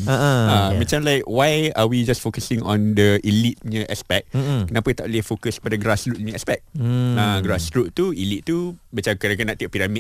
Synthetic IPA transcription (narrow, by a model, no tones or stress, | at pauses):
aʔəamãt͡ʃãmlajkwajawid͡ʒasfokəsĩŋɔ̃ndəʔilit̪̚ɲə̃ʔɛspɛk̚kənapət̪a̰ʔliəhfokəskə̥padaɡɾasɾut̪̚ɲə̃ɛspɛk̚ãɡɾasɾut̪̚t̪uilit̪̚ːubat͡ʃamkənakənaʔt̪iʔ̚piɾami